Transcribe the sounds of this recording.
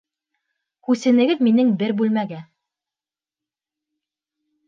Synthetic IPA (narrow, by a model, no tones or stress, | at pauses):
hʉsɘ̆nɘ̆ɡɘðminɘŋbɘɾbʉlmæɡæ